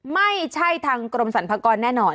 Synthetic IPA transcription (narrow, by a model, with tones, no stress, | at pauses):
ma˥˩jt͡ɕʰa˥˩jt̪ʰaː˧ŋkɾo˧msa˩˦npʰaː˧kɔː˧nːɛː˥˩nɔː˧